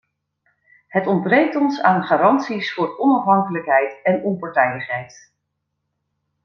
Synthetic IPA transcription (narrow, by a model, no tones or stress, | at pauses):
ɦətɔnd̚brejk̚tɔnsaːnχaːrɑntsisfʊːrɔnɑfɦɑŋkələkɦɛjtɛnɔmpɑɹtɛjləχɦɛjt